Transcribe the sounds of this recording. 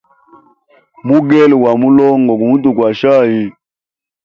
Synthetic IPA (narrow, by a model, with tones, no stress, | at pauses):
mu˦ɡe˦lwa˨mu˦lo˦ŋ˨ɡo˨ku˨mu˦tu˨kwa˨ʃa˦˨ji˨